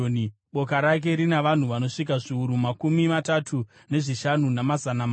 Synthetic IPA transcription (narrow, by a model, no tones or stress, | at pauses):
ɓo̞kaɾak̬e̞ɾinaʋan̤uʋano̞ʂik̬aʐiuɾumakumimatatʰu | ne̞ʐiʃanunamazanam